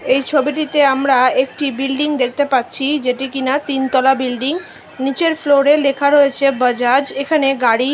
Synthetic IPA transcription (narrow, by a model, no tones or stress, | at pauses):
ejt͡ɕʰobiʈ̬it̪eamɾaek̚ʈibilɖiŋd̪ek̚ʰt̪epatːɕʰid͡ʑeʈikinat̪int̪ɔlabilɖiŋ | nit͡ɕeɾfloɾelekʰaɾoet͡ɕʰebəd͡ʑad͡ʑekʰaneɡaɽi